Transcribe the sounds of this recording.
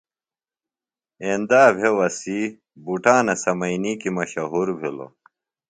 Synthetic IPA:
end̪aːbʱewɐsi | buʈaːnɐsɐmɐjnikimɐɕɐɦuɾbʱilo̰

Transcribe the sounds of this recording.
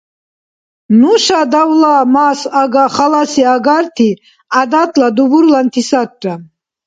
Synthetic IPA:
nuʃad̪awlaːmaːsaɡaχalasiaɡaɾt̪ʰi | ad̪at̪ʰʼlad̪ubuɾlant̪ʰisat̪̚t͡ʃʼa

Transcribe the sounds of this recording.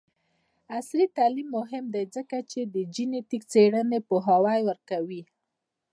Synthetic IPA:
aslit̪alimːʊɦɪmd̪ajd͡zəkat͡ʃed̪əd͡ʒinet̪ikt͡seɽənepəɦawajwəɾkawi

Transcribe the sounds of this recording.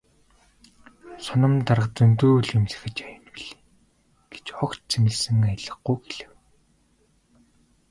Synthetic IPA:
sʊnə̆mt̪arʁt͡sɵnt̪uːɮemɮɘ̆xɘ̆t͡ɕajə̆npiɮe̥ː | ɡ̥e̥t͡ɕɔktt͡sʰemɘ̆ɮsɘ̆ŋajə̆ɮə̆χuːxeɮɘ̆w

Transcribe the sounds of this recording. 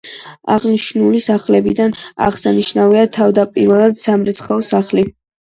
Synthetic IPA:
a̰ʁniʃnulisaχlɛbid̪ana̰ʁsaniʃnaviat̪ʰavd̪apʼiɾvɛlˠad̪samɾɛt̪sʰχɛɔsaχli

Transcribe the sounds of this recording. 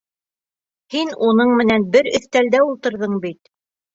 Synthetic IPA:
hinunɤɴmɘ̆nænbɘɾɵ̆θt̪æld̪æulˠt̪ɤ̆ɾðɤɴbit̪̚

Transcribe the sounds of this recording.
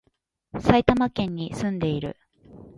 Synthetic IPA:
sait̪amakẽ̞ɲ̟ːisɨ̃nd̪e̞iɾɯ̟̰

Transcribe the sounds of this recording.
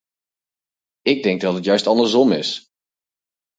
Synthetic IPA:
ɪɡ̚dɛŋɡ̚dɑtɦətjœɥstɑndəɹzɔmɪs

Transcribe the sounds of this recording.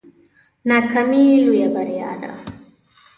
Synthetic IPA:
nakamilujabaɾia̰ɾa̰

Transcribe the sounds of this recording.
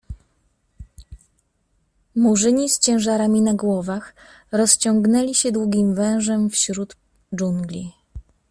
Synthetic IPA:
muʐɘɲist͡ɕɛ̃ʐaɾamʲinaɡwɔvax | ɾɔst͡ɕɔŋɡnɛlʲiɕɛd̪wuɡʲimvɛ̃w̃ʐɛmfɕɾud̪ | d͡ʐuŋɡlʲi

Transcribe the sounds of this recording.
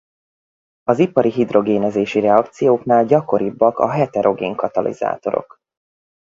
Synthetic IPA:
ɒzipɒɾiɦid̪ro̞ɡeːnɛzeːʃiɾɛɒkt̪sijoːknaːlɟɒko̞ɾibːɒkɒ̰ɦɛt̪ɛɾʔo̞ɡeːŋkɒt̪ɒlʔḭz̥a̰ːt̪o̞ɾo̞̰k

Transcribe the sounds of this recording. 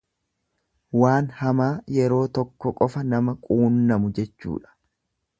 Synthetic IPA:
waːnhɐmaːjɛɾo̞ːt̪ɔkːɔkʼɔfɐnɐmɐkʼuːnːɐmʊd͡ʒɛt͡ʃːṵːᶑɐ̥

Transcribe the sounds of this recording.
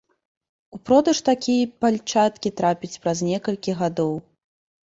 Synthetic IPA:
upɾɔd̪ɐʂt̪akʲijɐpalʲt͡ʂat̪kʲit̪ɾapʲit͡sʲpɾaznʲɛkɐlʲkʲiɣad̪ɔw

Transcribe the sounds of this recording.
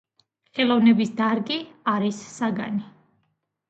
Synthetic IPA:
χɛlˠɔvnɛbisd̪aɾɡiaɾisːaɡa̰ni

